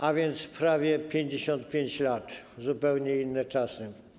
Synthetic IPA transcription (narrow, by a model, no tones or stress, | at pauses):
avʲjɛnt̪spɾavʲjɛpʲjeɲd͡ʑeɕɔnt̪̚pʲjeɲt͡ɕlat̪zupɛwɲɛinːɛt͡ʂasɨ